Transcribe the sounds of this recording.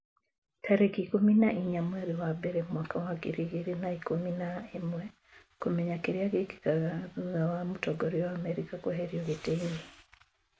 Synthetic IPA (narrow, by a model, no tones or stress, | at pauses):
tʰaɾɛkikuminaʔiɲamwɛɾiwabɛɾɛmwakawakḭɾiɡiɾinaikuminaemwɛ | komeɲakiɾiaɣiki̥kaaɣawamutɔɡɔɾiɔamɛɾikakwɔɦɛɾioɣiteni